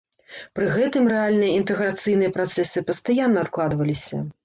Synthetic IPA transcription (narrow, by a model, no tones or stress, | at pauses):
pɾɨɣɛt̪ɨmrɛalʲnɨjɐint̪ɛɣɾat̪sɨjnɨjɐpɾat̪sɛsɨpɐst̪ajanːɐːt̪klˠad̪vɐlʲisʲɐ̰